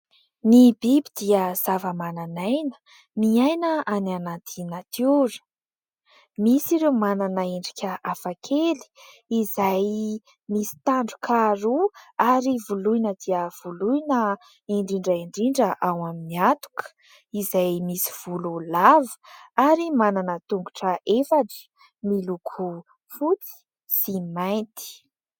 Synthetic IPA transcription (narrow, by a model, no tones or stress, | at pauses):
nibibid̪̥iəz̥avəmananajnə̥ | miajnəananat̪ʰinat̪ʰuɾə̥ | misiɾewmananaiɳɖ͡ʐikʲəafakʰeli̥ | izaj | misi̥t̪aɳɖ͡ʐukʰaɾuaɾivuluinəd̪iəv̥ulujnə | iɳɖ͡ʐiɳɖ͡ʐəiɳɖ͡ʐiɳɖ͡ʐəʔawaminiat̪u̥kʰə̥ | izajmisi̥v̥ululavə̥aɾimananət̪uŋɡuʈ͡ʂəʔefaʈ͡ʂi̥ | milukʰu | fut͡s̪i̥ | simaj̃nt̪i̥